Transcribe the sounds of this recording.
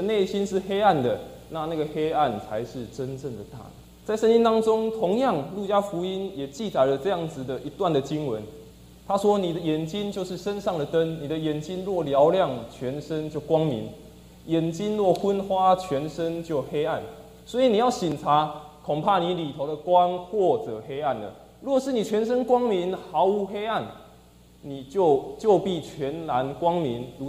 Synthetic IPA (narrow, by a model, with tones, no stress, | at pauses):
ə˨ne˥˩ɪɕi˦˥nʂɻ̩˥˨xe˥ɪa˥˩nd̪ə˩ | na˥˧na˥˩ɡə˩xe˥ɪa˥˩nt͡sʰa˧˦ɪʂɻ̩˥˩ʈ͡ʂə˦nʈ͡ʂə˥˩ŋd̪ə˩t̪a̰˥˩ | t͡sa˥˩ɪʂə˥nt͡ɕi˦nt̪ɑ˥ŋt͡sʊ˦˥ŋt̪ʰʊ˧˦˥ŋjɑ˥˧ŋlu˥˩t͡ɕja˥fu˧˥i˥njɛ˨˩t͡ɕi˥˨t͡sa˨˩ɪlə˧ʈ͡ʂɤ˥˧jɑ˥˩ŋd͡zɹ̩˨˩d̪ə˨ʔi˧˥t̪wa˥˩nd̪ə˩t͡ɕi˦˥ŋwə˧˦n | t̪ʰa˥˦ʂwɔ˦ni˨˩d̪ə˦jɛ˨˩nt͡ɕi˦nt͡ɕjo˥˧ʊʂɻ̩˥˩ʂə˦nʂɑ˥˩ŋd̪ə˩t̪ə˦nni˨˩d̪ə˦jɛ˨˩nt͡ɕi˦nlwɔ˥˩ljɑ˧˦ʊljɑ˥˨ŋt͡ɕʰɥɛ˧˦nʂə˦nt͡ɕjo˥˩ʊkwɑ˥ŋmḭ˨˦n | jɛ˨˩nt͡ɕi˦nlwɔ˥˨xə˦nxwa˦t͡ɕʰɥɛ˨˧˥nʂə˦nt͡ɕjo˥˩ʊhe˥ɪa˥˩n | swɔ˧˥i˨ni˨˩ja˥˩ɕi˨˩nt͡sʰa˨˧˦ | kʰʊ˨˩ŋpʰa˥˩ni˧˦li˨˩t̪ʰo˧ʊd̪ə˨kwa˦nxwɔ˥˨t͡sɤ˨˩he˥ɪa˥˩nlə̰˩ | lwɔ˥˨˩ʂɻ̩˥˨ni˨˩t͡ɕʰɥɛ˨˦nʂə˦nkwɑ˥ŋmi˧˦nha˧˦ʊu˧˥xe˥ɪa˥˩n | ni˨˩t͡ɕjo˥˧ʊt͡ɕjo˥˧ʊpi˥˩t͡ɕʰɥɛ˨˦nla˧˦nkwɑ˥˦ŋmi˨˦nlu˧˦